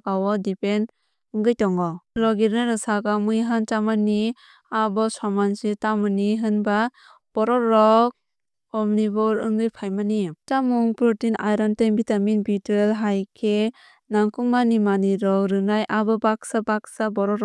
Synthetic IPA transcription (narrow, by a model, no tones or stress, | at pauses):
kawɔdipen | ɯŋɡɯjtɔŋɔɾɔɡiɾnajɾɯsaɡamɯjɦant͡ʃamani | abɔsamansitamɯniɦɯnba | b̥ɔɾɔɾɔk̚ | ɔmnibɔɾɯŋɡɯjpʰajmanit͡ʃamɔŋpɾutinʔajɾɔntembitaminbitɾelɦajkʰe | naŋkuŋmanimaniɾɔkɾɯnajʔabɯbak̚sabak̚sabɔɾɔɾɔ